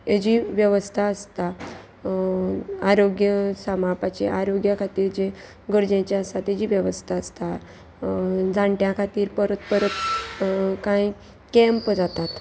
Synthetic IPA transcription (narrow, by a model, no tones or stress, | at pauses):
jed͡ʑiːʋjəʋəst̪ʰaəst̪a | aɾoɡjəsamapat͡ɕeʔaɾoɡjakʰat̪iːɾd͡ʑe | ɡəɾd͡ʑẽt͡ɕaəst̪at̪jed͡ʑiːʋjəʋəst̪ʰaəst̪a | d͡zãɳʈjãkʰat̪iːɾpəɾət̪pəɾət̪ | kãi | kɛ̃mpd͡zat̪at̪